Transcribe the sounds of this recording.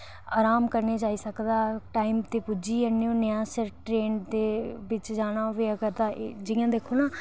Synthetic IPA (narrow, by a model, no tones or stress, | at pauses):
aːɾaːmkəɾneːd͡ʒaːiːsəkd̪aːʈaːiːmt̪eːpud͡ʒiːəniõːnɪjãːsəɾʈɾeːnd̪eːbɪt͡ʃd͡ʒaːɽ̃aːʋeːəkəɾt̪aːʔd͡ʒɪjãːd̪eːkʰoːnaː